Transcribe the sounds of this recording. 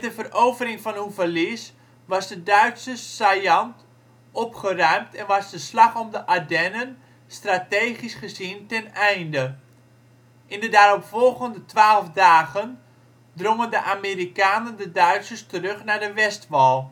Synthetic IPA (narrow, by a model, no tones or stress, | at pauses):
ɛtdəvərowvərɪŋfɑnɦuvərlis | ʋɑsdədœɥtsəsajɑnt | ɔpχərœɥmtʰɛnʋɑzdəslɑχɔmdəʔadɛnən | strateːχisχəzintɛnɛjndə | ʔɪndədaːɾɔpfɔlˠɣəndətʋaːlˠfdaːɣən | droŋəndəʔamiːrikaːnəndədœɥtsəstərɵχnaːɹdəʋɛstʋɑlˠ